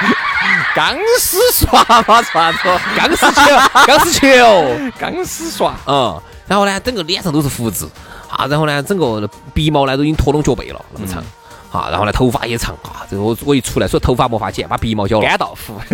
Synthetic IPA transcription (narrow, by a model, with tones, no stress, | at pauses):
ka˧˥ŋsɹ̩˥swa˥˧˩ma˧˥swa˧˥t͡sɔ˥ka˧˥ŋʂ̩˥t͡ɕʰɛ˥ka˧˥ŋsɹ̩˥t͡ɕʰɛ˥˨˩ka̰˧˥ŋsɹ̩˥swa˧˩ə˥˧˩ | ɻa˧˥nxo˥˩ʊnɛ˧t͡sə˥˩ŋɡə˩lnʰʂʰt̪o˥ʊʂɻ̩˥˧fu˧˩t͡sɹ̩˧˩xa̰˧ɻa˧˥nxnɛ˧t͡sə˥˩ŋɡə˧˩pi˧˥mɑ˥ʊla˧˥t̪o˧ʊi˥ŋt̪ʰwɔ˧˥lʊ˥ŋt͡ɕjpḛ˨˩ɪlə̰˧na̰˧˩˧mə˧t͡sʰɤ̰˨˩˦ŋ | xa̰˧˩ɻa̰˧˥nxnlt̪ʰo˧˥ʊfa̰˥jɛ˧˥t͡sʰə̰˨˩˦ŋa̰˧˩t͡sə˥˩˧wɔ˧˥i˨˩t͡sʰu˥la˧˥ɪsɔ˧˥˩t̪ʰo˧˥ʊfa˧˥mwɔ˧˥fa̰˧˥t͡ɕjɛ˥˩n˩pa˨˧˩pi˧˥˧mɑ˧ʊt͡ɕjɑ˥ʊkt̪ɑ˨˩ʊfu˧˩